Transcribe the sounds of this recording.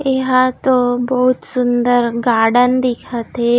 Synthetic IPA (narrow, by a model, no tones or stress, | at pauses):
eɦãt̪obəɦʊt̪sʊnd̪əɾɡaːɽənd̪ɪkʰat̪ɦe